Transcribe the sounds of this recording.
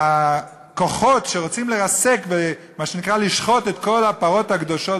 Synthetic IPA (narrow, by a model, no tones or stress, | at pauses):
a | ko̞χo̞tʃeʁo̞t͡simleʁase̞kve | maʃenikʁaliʃχo̞t̪et̪ko̞lhapaʁo̞thaɡd̪o̞ʃo